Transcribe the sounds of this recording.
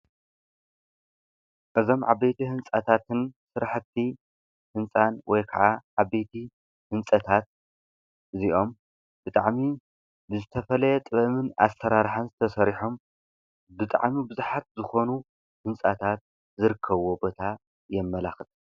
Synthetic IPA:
ʔɨzo̞mʕa̰bet̪ʰihɨnt͡sʼat̪ʰat̪ʰɨnsɨɾaħɨt̪ʰːi | hɨnt͡sʼanwɔjkʰɐʕaʕabet̪ʰi | hɨnsʼɐt̪ʰat̪̚ | ʔɨziʔo̞m | b̥ɨt̪ʼaʕmi | bɨzɨt̪ʰɐfɐlɐjɛt̪ʼɨβɐmɨna̰sɐɾaɾħanzɨt̪ʰɐsɐɾiħom | bɨt̪ʼa̰ʕmibɨzuħat̪̚zɨxo̞nu | hɨnsʼat̪ʰat̪̚ | zɨɾɨkʰːɐβobo̞t̪ʰa | jɛmːɐlaxɨt̪ʼ

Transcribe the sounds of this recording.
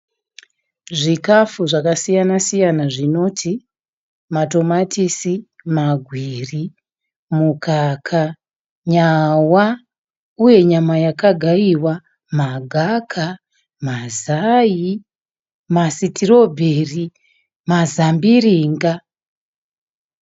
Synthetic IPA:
ʐikafuʐakasijanasijanaʐino̞tʰi | mato̞matisimaɡʱwiri | mukʰakʰa | ɲawa | uje̞ɲamajakaɡʱaiwa | maɡʱakʰa | mazaji | masitiro̞bʱeri | mazambiriːŋɡa

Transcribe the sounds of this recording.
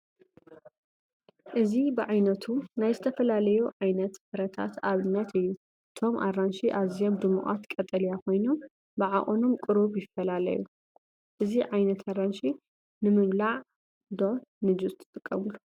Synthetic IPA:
ʔɨzibɨʕajnɐt̪ʰunajzɨt̪ʰɐfɐlalɐjuʕajnɐt̪fɨɾɐt̪ʰa̰t̪aβɨnːɐt̪ʰɨjːu | ʔɨt̪ʰo̞mʔa̰rːanʃiʔaβzio̞md̪ɨmuʔʼa̰t̪kʼɐt̪ʼɐlijakʰo̞jnom | bɨʕaʔʼonomkʼɨɾuβjɪfːɐlalɐ̰jṵ | ʔɨziʕajnɐt̪ʰaranʃi | nɨmɨβlaʕ | d̪o̞nɨd͡ʒust̪ʰɨ̥t̪ʼɨkʼːɐmɨlːu

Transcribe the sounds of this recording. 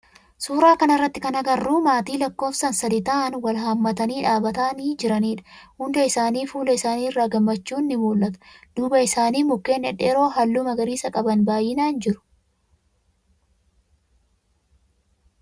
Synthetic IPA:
suːɾaːkɐnɐrːɐt̪ːɪkɐnɐɡɐrːuːmaːt̪iːlɐkːo̞ːfsɐnsɐd̪ɪt̪aːʔnwɐlɦɐmːɐt̪ɐniːᶑaːbɐt̪aniːd͡ʒɪɾɐniːᶑɐ̥hʊnd̪ɐɪsaːniːfuːlɐɪsaːniːɪrːaːɡɐmːɐt͡ʃːuːnːɪmuːlʔɐt̪ɐ̥d̪̥uːbɐɪsaːniːmʊkːe̞ːnːɛᶑɛɾo̞ːɦɐlːʊmɐɡɐɾiːsɐkʼɐbɐnbaːjɪnaːnd͡ʒɪɾʊ̥

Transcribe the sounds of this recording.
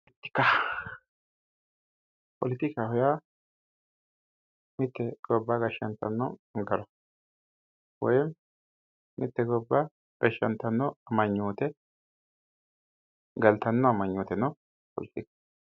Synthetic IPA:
ɪt̪ːɪ̥kːa | pɔlɪt̪ɪkːahɔja | mɪt̪ːɛɡ̥ɔbːaɡɐʃːɐnt̪ɐ̰nːɔɡɐɾɔ | wɔ̰jɛm | mɪt̪ːɛɡɔbːa | ɡ̥ɐʃːɐnt̪ːɐnːɔɐmɐɲːuːt̪ɛ | ɡɐlt̪ɐnːɔɐmɐɲːuːt̪ɛnɔ | pɔ̰lɪt̪ɪk

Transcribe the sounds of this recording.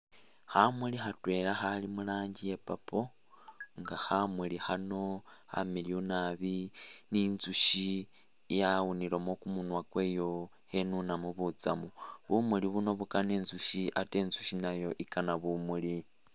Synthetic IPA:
hamuliɦatwe̞ːlaxalimulaːɲɟije̞papo | ŋɡahamulihano̞ha̰milionaβininzuʃi | jawunilomokumunwakwe̞jo̞ | he̞nunamuβut͡samuβumuliβuno̞βukaneːnzuʃiʔateːnzuʃinajo̞ʔikanaβumuli

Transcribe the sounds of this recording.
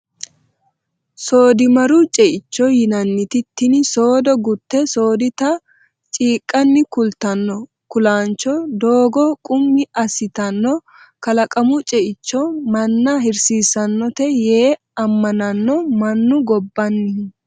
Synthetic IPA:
so̞ːd̪ɪmɐɾʊt͡ʃʼɛʔɪt͡ʃːɔjɪnɐnːɪt̪ɪt̪ːɪnso̞ːd̪ɔɡʊt̪ːɛso̞ːd̪ɪt̪ɐ | t͡ʃʼiːkʼːɐnːɪkʊlt̪ɐnːɔ | kʊlaːnt͡ʃːɔd̪o̞ːɡɔkʼʊmːɪʔɐsɪt̪ɐnːɔ | kɐlɐkʼɐmʊt͡ʃʼɛʔɪt͡ʃːɔmɐnːɐɦɪɾsiːsɐnːɔt̪ɛjeː | ɐmːɐnɐnːɔmɐnːʊɡɔbːɐnːɪ

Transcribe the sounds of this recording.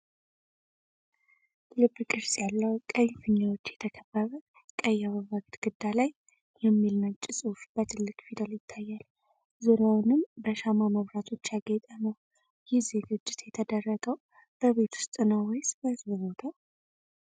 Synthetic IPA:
lɨbːkʼɨɾsjalːəwkʼəɲfɨɲːawo̞t͡ʃːjɛt̪ʰəkʰəbːəβə | kʼəjːaβəβaɡt̪ɡ̥ɨd̪ːalaj | jɛmːilnət͡ʃʼːɪsʼufb̥ət̪ʰɨlːɨkʼfid̪əljɪt̪ʰːajːal | zuɾjawnɨmbəʃamaməβɾat̪ʰo̞t͡ʃːjaɡɛt̪ʼənəw | jɪhzeɡɨd͡ʒːɪt̪jɛt̪ʰəd̪ərːəɡəw | b̥əβe̞t̪ʰu̥st̪ʼɨnawɔjsb̥əhɨzbɨβo̞t̪ʰa

